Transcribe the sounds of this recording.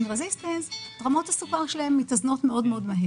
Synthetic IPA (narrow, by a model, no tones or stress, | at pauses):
nʁezistensdʁamo̞thasukaʁʃelaemːitazno̞tme̞o̞dmeo̞dmaɦe